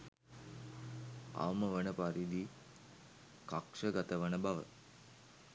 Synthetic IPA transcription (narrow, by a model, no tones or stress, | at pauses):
a̰ʋməʋənəpaɾid̪i | kakʂəɡat̪əʋənəbaʋə̰